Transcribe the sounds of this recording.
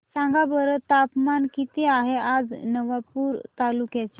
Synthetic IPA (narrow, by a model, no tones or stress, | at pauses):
sãŋɡabəɾət̪apmankit̪eaɦead͡znəʋapuːɾt̪alukjat͡ɕa